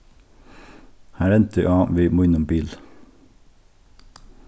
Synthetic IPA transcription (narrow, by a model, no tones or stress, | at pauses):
hæːɾɛnt̪ʰə̰ʔɑːʋiːmoːɪnʊmbiːl